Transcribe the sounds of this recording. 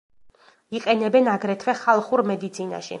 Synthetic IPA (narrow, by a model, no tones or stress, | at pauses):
iqʼɛnɛbɛnaɡɾɛt̪ʰvɛχalˠχuɾmɛd̪it̪sʰina̰ʃḭ